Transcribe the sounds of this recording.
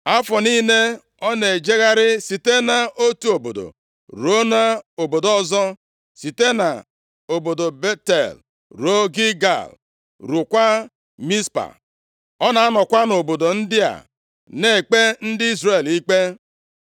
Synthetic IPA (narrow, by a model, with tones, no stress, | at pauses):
a˦fɔ˨ni˦ne˦ | ɔ˦ne˨d͡ʒe˦ɣa˦ɾɪ˦si˨te˦na˨o˦tu˦o˨bo̰˨do̰˨ | ɾo˦na˦o˨bo˨dɔ˦zɔ˦ | si˨te˦na̰˨ | o˨bo˨do˨be˦tḛ˨l | ɾo˦ɡi˦ɡa̰˨l | ɾu˨kʷa˦ | mi˦spa̰˨ | ɔ˦na˨a˦nɔ˨kʷa˦no˨bo˨do˨n̩˦dɪ˦a̰˨ | ne˦˨k͡pe˦n̩˦dɪ˦i˦zre˨li˦k͡pe˦